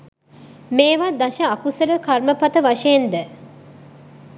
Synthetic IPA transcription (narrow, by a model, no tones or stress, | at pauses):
meːʋad̪aʃəakusələkarməpat̪əʋaʃejend̪ə